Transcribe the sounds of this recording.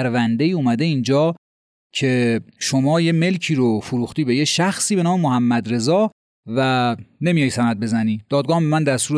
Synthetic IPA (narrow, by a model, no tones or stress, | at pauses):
ɾvænd̪e̞iːumæd̪e̞ind͡ʒɒː | cʰe̞ʃomɒːje̞me̞lcʰiːɾofoɾuːxt̪iːbe̞jeʃæxsiːbe̞nɒːmemohæmːæd̪ɾe̞zɒː | væne̞mijɒjsænæd̪̚be̞zæniːd̪̥ɒːd̪ɡɒːhmbemænd̪æst̪uːɾ